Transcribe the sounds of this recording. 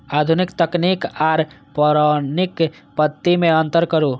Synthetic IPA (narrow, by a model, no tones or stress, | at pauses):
ad̪ʱunikt̪əknikaɾ | pəɾanik | pət̪ːimeənt̪əɾkəɾu